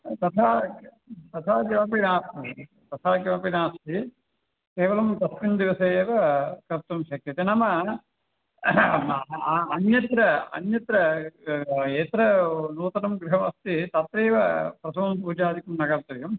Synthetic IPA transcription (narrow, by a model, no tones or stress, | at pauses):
t̪ɐt̪ʰaː | t̪ɐt̪ʰaːd͡ʒ̪ɐmɐpinaːst̪i | t̪ɐt̪ʰaːkɐʋɐpinaːst̪i | keːʋɐlɐmt̪ɐsmind̪iʋɐseːʋɐkɐp̚t̪ɐmʃɐkɾɐt̪enɐmɐ | ɐnjɐt̪ɾɐɐ̰njɐt̪ɾɐ | eːt̪ɾɐnuːt̪ɐnɐmɡɾuɦɐmɐst̪it̪ɐt̪ɾeːʋɐpɾɐt̪ʰɐʋɐmpuːd͡ʒaːd̪ʱikumnɐɡɐɾt̪ɐʋjɐm